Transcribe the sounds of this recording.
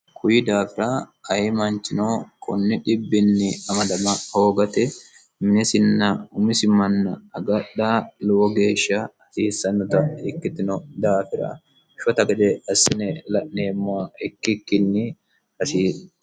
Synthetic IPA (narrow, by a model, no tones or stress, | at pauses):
kʰʊjɪd̪aːfɪɾɐɐjɪmɐnt͡ʃːɪnoːkʰɔ̰nːɪᶑɪbːɪnːɪɐmɐd̪ɐmɐho̞ːɡɐt̪ɛ | mɪnɛsɪnːɐʊmɪsɪmɐnːɐːɡɐɗːalʊwɔɡe̞ːʃːɐɐsiːsːɐnːɔt̪ɐɪkːɪt̪ɪnɔd̪aːfɪɾɐ̰ | ʃɔt̪ɐɡɛd̪ɛɐsːɪnɛlɐʔne̞ːmːɔwɐɛkːɪkːɪnːɪ | hɐsiːs